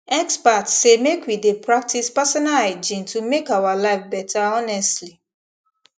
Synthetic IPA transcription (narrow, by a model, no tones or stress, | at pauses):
ɛkspatsemekwidepɹak̚tʰispasɔnalad͡ʒĩntʰumekawalaɪfbɛtʰaɔnɛstli